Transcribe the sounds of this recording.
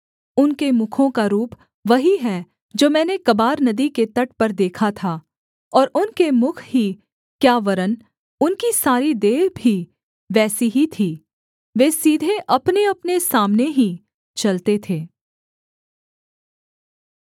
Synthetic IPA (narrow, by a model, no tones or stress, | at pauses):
ʊnkemʊkʰõkaɾuːp | ʋɐɦiɦɛː | d͡ʒoːmɛ̃ːnekɐbaːɾnɐd̪iket̪ɐʈ̚pɐɾd̪eːkʰat̪ʰa | ɔːɾʊnkemʊkʰɦi | kjaːʋɐɾən | ʊnkisaːɾid̪eːɾbʱi | ʋɛːsiɦit̪ʰiː | ʋeːsiːd̪ʱeʔɐpneɐpnesaːmneɦi | t͡ʃɐlt̪et̪ʰeː